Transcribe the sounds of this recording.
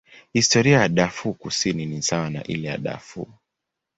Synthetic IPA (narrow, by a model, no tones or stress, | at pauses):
histɔɾiajaɗafukusininisawana̰ʔḭlɛja̰ɗa̰fṵː